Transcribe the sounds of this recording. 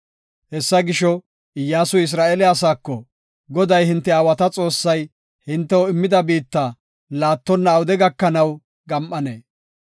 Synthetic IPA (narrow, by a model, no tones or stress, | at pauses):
hɛsːɐɡɪʃɔ | jːaːsʊɪs̬ɾaːʔeːlɪaːsaːkːɔ | ɡɔd̪ɐjhɪnt̪ːɛaːwɐt̪ɐt͡sʼo̞ːsːɐj | hɪnt̪ːɛwɔɪmːɪd̪ɐbiːt̪ːa | laːt̪ːɔnːɐːwʊd̪ɛɡɐkːɐnɐw | ɡɐmʔɐneː